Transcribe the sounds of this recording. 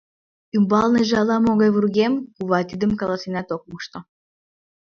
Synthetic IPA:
ymbɑlneʒeɑlɑmoɣɑjβurɣemkuβɑt̪id̪ə̆mkɑlɑsinɑt̪ok̚muʃt̪o

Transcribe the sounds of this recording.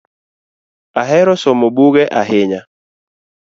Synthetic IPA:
aɦɛɾɔsɔmobuɡɛʔaɦɪɲa

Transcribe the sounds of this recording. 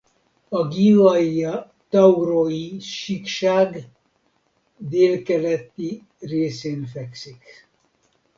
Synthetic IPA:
ɒɡiɔjɒ | t̪ɒuroiʃikʃaːɡ | d̪eːlkɛlɛt̪ːi | reːseːnfɛksik

